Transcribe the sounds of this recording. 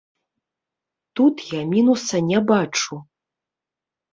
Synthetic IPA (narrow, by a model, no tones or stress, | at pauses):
t̪ut̪jamʲinusɐnʲɛbat͡ʂu